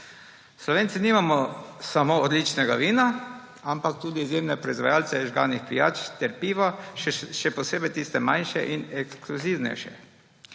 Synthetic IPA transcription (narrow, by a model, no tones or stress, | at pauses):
slɔʋeːnsiniːmamɔsamoːɔd̪lit͡ʃnɛɡa̰ʋiːna | ampak̚t̪uːd̪iːzjeːmnɛpɾɔizʋajaːlsɛʒɡa̰ːnixpija̰ːt͡ʃt̪ɛɾpiːʋaʃɛpɔseːbɛjt̪iːst̪ɛmajnʃɛ̰ʔinɛkskluziwnɛ̰jʃɛ̰